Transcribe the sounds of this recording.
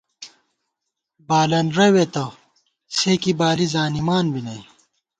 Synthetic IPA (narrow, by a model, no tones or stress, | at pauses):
baːlɐnɾɐwet̪ɐ | sekibaːlizaːnimaːnbinɐj